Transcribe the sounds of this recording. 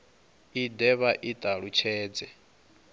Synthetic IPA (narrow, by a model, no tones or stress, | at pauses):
idɛβaʔit̪ʼaɺut͡ʃʰɛːd͡zɛ